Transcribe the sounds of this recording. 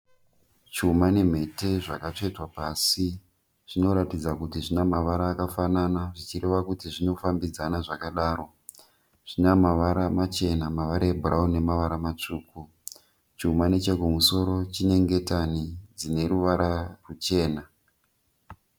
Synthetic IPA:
t͡ʃumane̞m̤e̞te̞ʐakat͡ʂetwapasi | ʐ̥ino̞ɾatid͡zakutiʐinamaʋaɾaːkafananaʐit͡ʃiɾe̞ʋakutiʐino̞fambid͡zanaʐakaɗaːɾo̞ | ʐ̥inamaʋaɾamat͡ʃe̞namaʋaɾaebʱuraune̞maʋaɾamat͡ʂuːku | t͡ʃiumane̞t͡ʃekumuso̞ɾo̞t͡ʃine̞ŋɡe̞tanid͡zine̞ɾuʋaɾarut͡ʃe̞ːna

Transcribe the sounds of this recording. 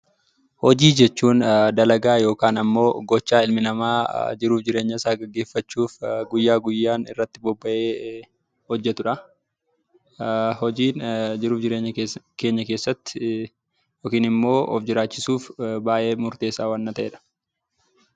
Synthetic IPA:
hɔd͡ʒiːd͡ʒɛt͡ʃːuːnd̪ɐlɐɡaːjo̞ːkaːnɐmːo̞ːɡɔt͡ʃːaːɪlmɪnɐmaːd͡ʒɪɾuːfd͡ʒɪɾeːɲːɐsaːɡɐɡːe̞ːfːɐt͡ʃːuːfɡʊjːaːɡʊjːaːnɪ̰rːɐt̪ːɪbɔbːɐʔe̞ː | hɔd͡ʒːɛt̪ʊᶑɐ | hɔd͡ʒiːnd͡ʒɪɾuːfd͡ʒɪɾeːɲːɐke̞ːɲːɐkeːsːɐt̪ːɪ̥ | joːkiːnɪmːo̞ːʔɔ̰fd͡ʒɪɾaːt͡ʃːɪsuːfbaːjʔe̞ːmʊɾt̪e̞ːsaːwɐnːɐt̪ɐʔeːᶑɐ̥

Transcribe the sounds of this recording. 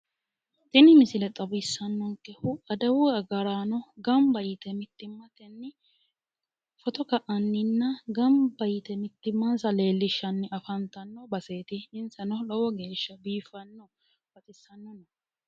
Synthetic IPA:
t̪ɪnɪmɪsɪlɛt̪ʼɐbɪsːɐnːɔŋkːɛhʊʔɐd̪ɐwʊɐɡɐɾaːnɔɡɐmbɐjɪt̪ɛmɪt̪ːɪmːɐt̪ɛnːɪ | fɔt̪ɔkɐʔɐnːɪnːɐɡɐmbɐjɪt̪ɛmɪt̪ːɪmːansɐle̞ːlːɪʃːɐnːɪʔɐfɐnt̪ɐnːɔbɐse̞ːt̪ɪɪnsɐnɔlɔwɔɡe̞ːʃːɐbiːfɐnːɔ | fɐt̪ʼɪsːɐnːɔnɐ

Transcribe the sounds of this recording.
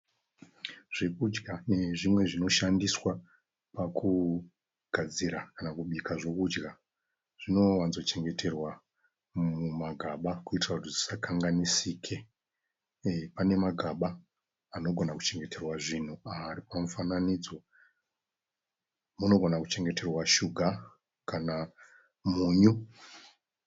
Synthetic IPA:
ʐ̥e̞kud͡ʒɡane̞ʐimwe̞ʐino̞ʃandiswa | pakʰu | ɡ̥ʱad͡ziɾakanakuɓikʰaʐe̞kud͡ʒɡa | ʐ̥ino̞wanzot͡ʃe̞ŋɡe̞tʰe̞rwa | mumaɡʱaɓakuitrakutizisakʰaŋɡanisiːkʰe̞ | pane̞maɡʱaɓaː | no̞ɡʱo̞naku̥t͡ʃe̞ŋɡe̞tʰe̞rwaʐin̤uaɾipamufananid͡zo̞ | muno̞ɡʱo̞naku̥t͡ʃe̞ŋɡe̞te̞rwaʃuɡʱa | kana | muːɲu

